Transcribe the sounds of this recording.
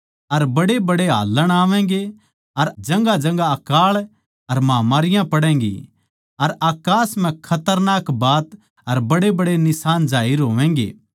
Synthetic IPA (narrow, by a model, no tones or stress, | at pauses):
ɐɾbɐɽebɐɽeɦa̰ːlːəɽ̃aːʋɛ̃̆ːɡe | ɐɾd͡ʒɐ̃ŋɡad͡ʒɐ̃ŋɡaɐkaːɭ | ɐɾmaːmaːɾɪjãpɐɽɛ̃ːɡḭ | ɐɾaːkaːsm̤ɛ̃kʰɐt̪əɾnaːkbaːt̪ | ɐɾbɐɽebɐɽenɪsaːnd͡ʒaːɪɾɦoːʋɛ̃ːŋɡḛː